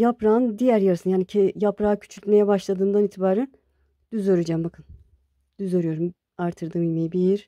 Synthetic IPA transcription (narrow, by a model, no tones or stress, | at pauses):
japɾaːnd̪ijæɾjaɾɯsɯnjaːnicʰejapɾaːacʰy̥t͡ʃʰylʲt̪me̞jɛbaʃlˠad̪ɯːnd̪aniːt̪ʰibaːɾæn | d̪̥yzoɾɯd͡ʒaːmbakʰɯn | d̪̥yzoɾyjo̞ɾum | aɾt̪ʰɯɾd̪ɯːmilʲmejibiɾ